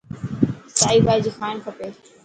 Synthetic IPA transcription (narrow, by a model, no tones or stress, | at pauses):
saːiːbaːd͡ʑiːxaːɪnkʰəpeː